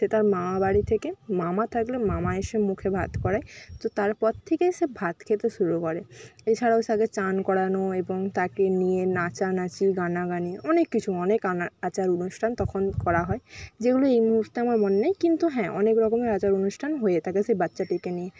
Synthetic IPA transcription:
set̪aɾmamabaɽit̪ʰekemamat̪ʰaklemamaeʃemukʰebʱa̰t̪kɔɾaet̪ot̪aɾpɔɾt̪ʰekeʃebʱat̪kʰet̪eʃuɾukɔɾeet͡ɕʰaɽaoseaɡet͡ɕankɔɽanoeboŋt̪akenijenat͡ɕanat͡ɕiɡanaɡaniɔnekːit͡ɕʰuɔnekaaat͡ɕaɾonuʃʈʰant̪ɔkʰonkɔɾaɦɔed͡ʑeɡuloejmuɦuɾt̪eamaɾmonenejkint̪uɦɛ̃ʔɔnekɾɔkomeɾat͡ɕaɾonuʃʈʰanɦojet̪ʰakesebatːɕaʈikenie

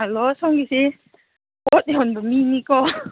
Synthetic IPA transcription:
alɔsɔŋɡise | ɔt̪iɦɔnbɔminikɔ

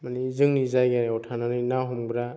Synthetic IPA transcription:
manizɯŋnizajɡaɾɔtʰananɯnawɦɔmbɾa

